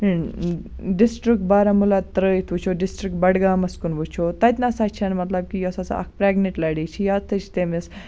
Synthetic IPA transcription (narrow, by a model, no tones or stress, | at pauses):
ɖisʈɾik̚ʈ̚baːɾamulat̪ɾəjit̪ʰut͡ʃʰoɖisʈɾik̚ʈ̚bɐɽɡaːmɐskunbut͡ʃʰot̪ɐt̪ʲnasat͡ʃʰanmɐt̪lɐb̚kijosɐt͡sɐ̰k̚ʰpɾeːɡneʈlɐɽit͡ʃʰijaːd̪̚t̪ʰɨt͡ʃʰi̥t̪emis